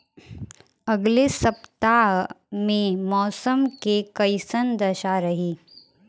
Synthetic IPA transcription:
ɐɡlesɐpt̪aɦmẽmɔːsəmkekɐɪsənd̪ɐʃaɾɐɦiː

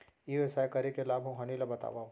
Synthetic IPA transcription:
iesaːjkɐɾekelaːbʱɦõɦɐnilabɐt̪a̰ːʋa

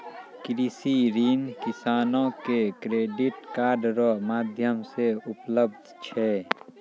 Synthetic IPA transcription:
kɾisiɾiːnkɪsaːnõkekɾeːɖɪʈkaːɾɖɾɔmaːd̪ʱjəmseʊpləb̚d̪ʱt͡ʃʰɛː

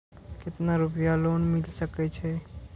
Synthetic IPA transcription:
kɪt̪naɾupjalonmɪlsəkɛt͡ʃʰɛ

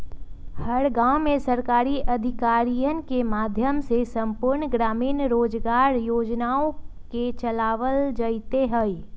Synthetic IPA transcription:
hɐɾɡãːʊmẽsɐɾkaːɾiʔɐd̪ʱɪkaːɾijənkemaːd̪ʱjəmsesɐ̃mpʊɾɳɡɾaːmiːnɾoːd͡ʒɡaːɾjoːd͡ʒnaːõket͡ʃɐlaːʋəld͡ʒəit̪eɦəi

